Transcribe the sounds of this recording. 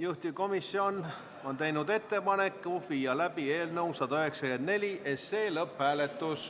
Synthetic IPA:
juht̪iko̞misːio̞n | o̞nt̪e̞jnud̪e̞t̪ːe̞pɑnekːuviːjɑlæb̥ie̞ːlnɤwsɑd̪ɑøɦe̞ksɑkend̪ne̞lʲiʔese̞ːlɤphæːle̞t̪ːus

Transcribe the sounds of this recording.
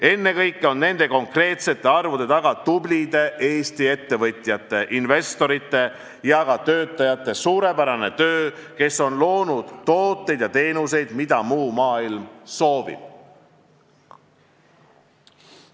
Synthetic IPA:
e̞nːe̞kɤjkˑːeo̞nːe̞nd̪e̞ko̞ŋkre̞ːt̪se̞t̪ːˑe̞ɑrvud̪̥e̞t̪ɑɡ̥ɑt̪ublʲid̪̥e̞ʔe̞ːst̪ie̞t̪ːe̞vɤt̪ʲˑjɑt̪ːˑe̞ʔinve̞st̪o̞ɾit̪ˑːe̞ | jɑɡɑt̪øːt̪ːˑɑjɑt̪ˑːe̞suːɾe̞pæɾɑne̞t̪ø̞ːke̞so̞nlo̞ːnud̪̥t̪ːo̞ːt̪ːˑe̞jd̪̥jɑt̪e̞ːnuse̞jd̪̥mid̪̥ɑmuːmɑːilmso̞ːvḭb̥̚

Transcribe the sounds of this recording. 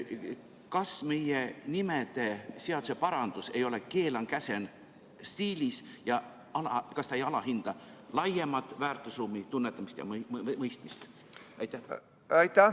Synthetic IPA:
kɑsme̞jenime̞d̪̥e̞se̞ɑd̪̥use̞pɑɾɑnd̪̥use̞jo̞le̞ke̞ːlɑŋkæse̞n | siːlisjɑ | ɑlɑkɑst̪ɑejɑlɑɦind̪̥ɑ | lɑjːe̞mɑt̪ːˑvæːrt̪ˑusruːmːit̪unːe̞t̪ːˑɑmist̪jɑ̰mɤjst̪mist̪ | ɑjt̪ːˑæh | ɑjt̪ːæ

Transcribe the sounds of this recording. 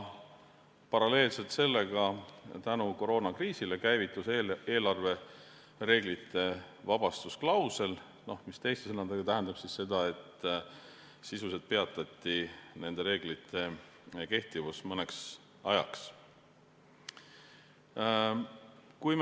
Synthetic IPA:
pɑɾɑle̞ːlse̞lt̪se̞lːe̞ɡ̥ɑt̪ænuko̞ɾo̞ːnɑkriːsile̞kæjvit̪ːˑusee̞ːlɑrve̞ | re̞ːɡlit̪ːˑe̞ | vɑb̥ɑst̪usklɑwse̞l | no̞hmist̪e̞jst̪esɤnːɑd̪eɡ̥ɑt̪æɦend̪ɑb̥sisse̞d̪̥ɑe̞t̪ː | sisuse̞d̪̥̚pe̞ɑt̪ːˑɑt̪ːine̞nd̪̥e̞ɾe̞ːɡ̥lit̪ːˑe̞ | ke̞ht̪ivusmɤne̞ks | ɑjɑ̰ks | kujm

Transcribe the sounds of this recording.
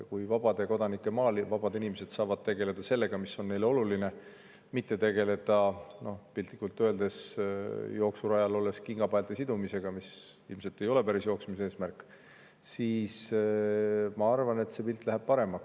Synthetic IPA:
kujvɑb̥ɑd̪̥e̞ko̞d̪ɑnikːˑemɑːlivɑb̥ɑd̪inimese̞d̪̥sɑːvɑd̪̥̚t̪e̞ɡ̥e̞le̞d̪̥ɑse̞lːe̞ɡ̥ɑmisːo̞nːe̞jleo̞luline̞ | mit̪ˑːe̞t̪e̞ɡ̥e̞le̞t̪ɑno̞hpilt̪ˑːikːult̪ːˑøe̞ld̪e̞s | jo̞ːksuɾɑjɑlo̞lːe̞skiŋɡ̥ɑbɑelt̪esid̪umise̞ɡ̥ɑmis | ilmse̞lt̪ːˑe̞jo̞le̞pæɾisjo̞ːksmise̞ːsmærkːˑ | siːs | mɑɑrvɑne̞t̪se̞pilt̪ːˑlæɦæb̥̚pɑɾe̞mːɑk

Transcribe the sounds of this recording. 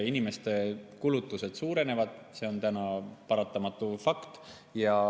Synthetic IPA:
inime̞st̪e̞kulut̪ːˑuse̞d̪̥suːɾe̞ne̞vɑd̪̥ | se̞o̞nt̪ænɑpɑɾɑt̪ˑːɑmɑt̪ːˑufɑkt̪ | jɑ

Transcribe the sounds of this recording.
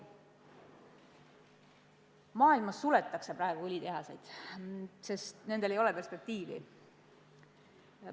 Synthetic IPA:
mɑːilmɑsːule̞t̪ːˑɑkse̞pɾɑe̞ɡ̥uylʲit̪e̞ɦɑse̞jd̪̥ | se̞st̪ne̞nd̪e̞lejo̞lepe̞rspe̞k̚t̪iːvḭ

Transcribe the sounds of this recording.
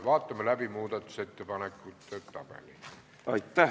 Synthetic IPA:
ʋɑːt̪ːɑmːelæpimuːt̪ɑt̪set̪ːepɑnekːut̪ːøt̪t̪ɑ̰pḛline | ɑit̪ːæ

